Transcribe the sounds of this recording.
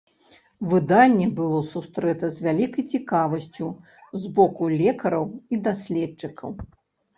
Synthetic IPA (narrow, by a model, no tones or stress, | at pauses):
vɨd̪anʲːɛbɨlˠɔsust̪ɾɛt̪ɐzʲvʲalʲikɐjt͡sʲikavɐsʲt͡sʲu | zbɔkulʲɛkɐɾɐwid̪asʲlʲɛt͡ʂɨkʰɐw